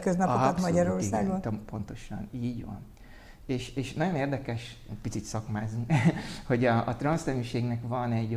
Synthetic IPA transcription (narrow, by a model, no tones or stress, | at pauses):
køznɒpot̪mɒɟɒɾo̞rsaːɡonmpo̞nt̪o̞ʃɒ̰niːɟʋɒ̰n | eːʃeːʃnɒɟoneːrd̪ɛkɛʃ | ɛcpit̪sit̪sɒkmaːzuho̞ɟɒɒt̪rɒnsnɛmyːʃeːɡnɛkvɒnɛɟ